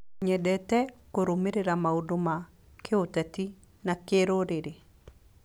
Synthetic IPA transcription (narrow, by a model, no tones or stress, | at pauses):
ɲɛdɛtɛkoɾomeɾeɾamaudoma | kʰeotati | nakeɾoɾeɾe